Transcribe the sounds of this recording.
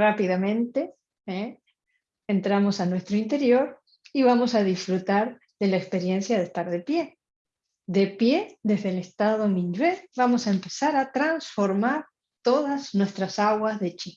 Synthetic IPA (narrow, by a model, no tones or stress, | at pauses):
rapiðamẽ̞nt̪e̞ | eː | nt̪ɾamo̞sanwe̞st̪ɾoint̪e̞ɾjo̞ɾ | iβamo̞saðisfɾut̪aɾ | ðe̞laekspe̞ɾje̞nsjaðest̪aɾðe̞pje̞ | ðe̞pje̞ðe̞zðelest̪aðomĩnd͡ʒeɾβamo̞saempe̞saɾat̪ɾansfo̞ɾmaɾ | t̪o̞ðaznwe̞st̪ɾasaɣwazðe̞t͡ʃin